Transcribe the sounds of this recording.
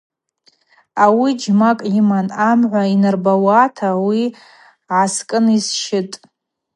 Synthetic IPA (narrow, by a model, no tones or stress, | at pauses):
awid͡ʒmakʼimanamʕʷainɨrbawatʰawi | ʕaskʼɨnisʃɪtʼ